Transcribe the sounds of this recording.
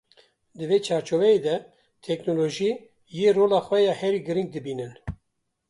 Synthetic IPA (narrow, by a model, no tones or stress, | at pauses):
d̪ɨveːt͡ʃʰɑːɾt͡ʃʰovɛjeːd̪ɛ | t̪ʰɛknoloʒiː | jeːroːlɑːxwɛjɛhɛɾiːɡɨɾiŋɡ̚d̪ɨbiːnɨn